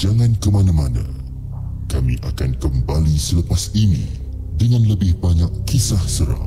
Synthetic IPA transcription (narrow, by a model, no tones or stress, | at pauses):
d͡ʒaŋãnkəmanãmanã̰ | kamĩʔakankəmbalisələpasinḭ̃ | dəŋãnləbɪhbaɲakːisahsəɾa̰